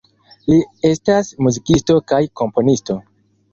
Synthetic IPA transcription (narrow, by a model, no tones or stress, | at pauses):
lie̞stasmuzikisto̞kajko̞mpo̞nisto̞